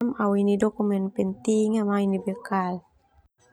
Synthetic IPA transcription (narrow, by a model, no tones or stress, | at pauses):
mawinidɔkumɛnpɛnt̪iŋamainibɛkal